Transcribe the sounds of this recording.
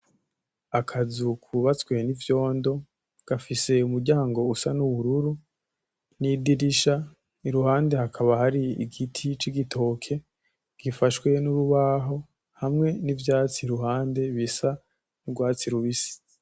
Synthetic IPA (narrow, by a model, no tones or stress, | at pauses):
akʰazukʰuβat͡skwe̞nivjo̞ːndo̞ | ɡ̥afise̞umuɾɟaːŋɡo̞usanuβuɾuɾu | nidiɾiʃa | iɾuhaːnde̞hakʰaβahaɾiḭɡitʰit͡ʃiɡitʰo̞ːkʰe̞ | ɡ̥ifaʃwe̞nuɾuβaɦo̞ | hamŋe̞nivjaːt͡siɾuɦaːnde̞βisa | nubɡwaːt͡siɾuβisi̥